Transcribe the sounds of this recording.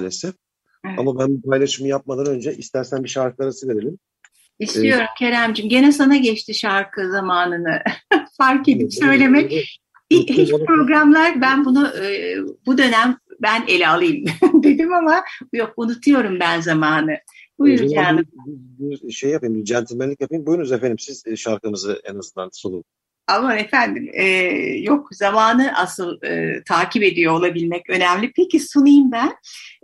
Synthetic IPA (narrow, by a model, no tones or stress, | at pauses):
alʲesɛf | a̰mabænbupʰajlˠaʃɯmɯjap̚mad̪anø̞nd͡ʒɛʔist̪ʰæɾsænbiʃaɾkɯlˠaɾasɯveɾelʲim | ist̪ʰijo̞ɾumcʰe̞ɾæmd͡ʒimɟe̞nɛsanaɟɛt͡ʃt̪ʰiʃaɾkʰɯzamaːnɯnɯfaɾke̞d̪ipsø̞jlʲe̞mɛc | iɦit͡ʃpɾo̞ɡɾamlˠaɾbænbunuʔbud̪ø̞næmbænelʲɛalˠɯjɯmd̪e̞d̪imamabjokunut̪ʰujo̞ɾumbænzamaːnɯbujuɾcʰaɾˠɯzʃejːjapajɯmid͡ʒɛnt̪ʰimelʲicjapʰajɯmbujynyzefend̪imsizʃaɾkɯnɯzɯɛnazɯnd̪ansonˠulˠ | amanefænd̪imɛːjo̞kzamaːnɯʔa̰sɯlˠɯ̰t̪ʰaːcʰipe̞d̪ijo̞ːlˠabilʲmɛcø̞næmlʲipʰecisunɯjɯmbæn